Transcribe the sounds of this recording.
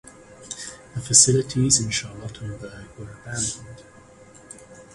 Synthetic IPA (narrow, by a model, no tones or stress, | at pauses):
ðəfəsɪlɪtʰizɪ̃nʃɑɹlətʰn̩bɜɹɡwəɹəbæ̃ndə̃nd̥